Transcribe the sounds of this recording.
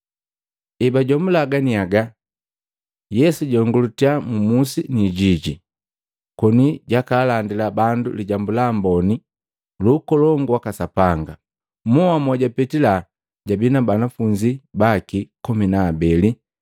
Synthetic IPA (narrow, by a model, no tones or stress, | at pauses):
ɛbaɟɔmulaɡaniaɡa | jɛsuɟɔŋɡulutiamumusiniɟiɟi | kɔniɟakaːlandilabandṵliɟambulambɔni | luːkɔlɔŋɡwakasapaŋɡa | mɔamɔɟapɛtila | ɟabinabanafuɲd͡ʒibakikɔminaːbɛli